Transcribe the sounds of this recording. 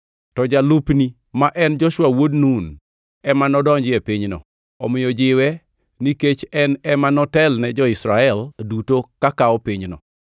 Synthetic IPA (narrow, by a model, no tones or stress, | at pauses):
tɔd͡ʒalupni | maʔɛnd͡ʒɔʃwawodnun | ɛmanɔdɔɲd͡ʒɪɛpiɲnɔ̰ | ɔmɪjɔd͡ʒɪwɛ | niket͡ʃɛnɛmanɔtɛlnɛd͡ʒɔɪsɾaɛldutokakaɔpiɲnɔ̰